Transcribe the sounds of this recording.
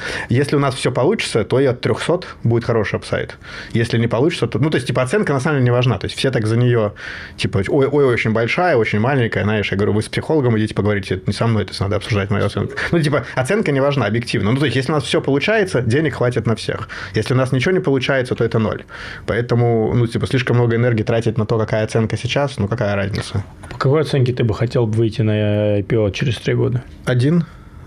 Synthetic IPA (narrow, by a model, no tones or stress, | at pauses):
jesʲlʲɪʊnasfsʲopɐlˠut͡ɕɪ̥t̪sət̪o̞ɪɐt̪ːɾʲoxso̞t̪budʲɪt̪xɐɾo̞ʂɨɐpsa̰j̰t̪ | jesʲlʲɪnʲɪpɐlˠut͡ɕɪt̪sət̪onut̪o̞ɪsʲtʲipəɐt̪sɛnkənɐsamlmdʲelʲɪnʲɪvɐʐna̰t̪o̞ɪsʲt̪ʲfsʲet̪akzənʲɪjotʲipəojo̞joo̞t͡ɕɪnʲbɐlʲʂajəo̞t͡ɕɪnʲmalʲɪnʲkəjəzaɪʂjaɡəvɾʲuvɨspsʲɪxo̞lˠəɡəmɨɪdʲitʲɪ̥pəɡəvɐɾʲitʲɪɛt̪nʲɪsɐmno̞jt̪o̥sʲna̰d̪əɐpsʊʐd̪atʲmɐ̰jṵɐt̪sɛ̰nkʊ̥nutʲipəɐt̪sɛnkənʲɪvɐʐnaɐbjɪk̚tʲivnənut̪osʲjeslʲɪʊnasfsʲopəlˠʊt͡ɕæjɪt̪sədʲenʲɪkxvatʲɪt̪nɐfsʲḛxjesʲlʲɪʊnasnʲɪt͡ɕɪvonʲɪpəlˠʊt͡ɕæjɪt̪sət̪o̞ɛt̪əno̰lʲ | pɐɛt̪əmʊnutʲipəsʲlʲiʂkəmno̞ɡəɪnɛrɡʲɪiːt̪ɾatʲɪt̪ʲnɐt̪o̞kɐkajəɐt̪sɛnkəsʲɪt͡ɕasnukɐkajəɾazʲnʲɪ̰t̪sə | ɐpə̥kɐkojɐt̪sɛnkʲɪt̪ɨbɨxɐtʲelˠbvɨjtʲɪnɐpʲɪot͡ɕɪɾʲɪst̪ɾʲiɡo̞d̪ə | ɐdʲin